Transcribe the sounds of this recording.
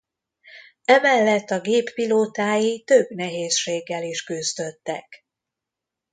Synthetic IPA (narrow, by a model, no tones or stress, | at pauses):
ɛmɛlːɛt̪ːɒɡeːpːiloːt̪aːjit̪ø̞bnɛɦeːsʃeːɡːɛliʃkyzd̪øt̪ːɛ̰k